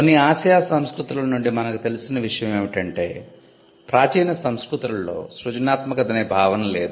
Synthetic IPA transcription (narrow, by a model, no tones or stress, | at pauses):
konːiaːsjaːsɐmskɾut̪ɾulɐnuɳɖimɐnɐkut̪e̞lisinɐʋiʂɐjɐme̞ːʋiʈɐɳʈe̞ː | pɾaːt͡ʃiːnɐsɐmskɾut̪ɾullo̞ːsɾut͡ʃɐnaːt̪mɐkɐd̪ɐneːbʱaːʋɐnɐle̞ːd̪u